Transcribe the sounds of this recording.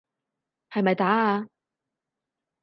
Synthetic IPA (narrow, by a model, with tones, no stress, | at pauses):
hɐ˨jmɐ˨jt̪aː˨˥a˧